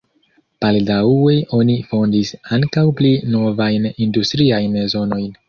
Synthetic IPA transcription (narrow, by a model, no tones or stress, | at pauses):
b̥aldawe̞ʔo̞nifo̞ndisaŋkawplino̞vajnindustɾiajnzo̞no̞jn